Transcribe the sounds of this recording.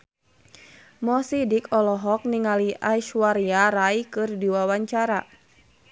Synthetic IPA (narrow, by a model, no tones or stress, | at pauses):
mɔsidikʰɔlɔɦɔk̚niŋaliʔaiʃuaɾiaɾaikɨrdiwawaɲt͡ʃaɾa